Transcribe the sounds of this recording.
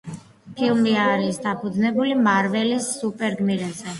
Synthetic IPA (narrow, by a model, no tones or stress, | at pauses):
pʰilˠmiaɾisd̪apʰud̪znɛbulimaɾvɛlisːupʼɛɾɡmiɾɛzɛ